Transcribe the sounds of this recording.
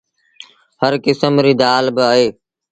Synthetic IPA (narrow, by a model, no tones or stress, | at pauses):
həɾkɪsəmɾiːd̪aːlbɪəɦeː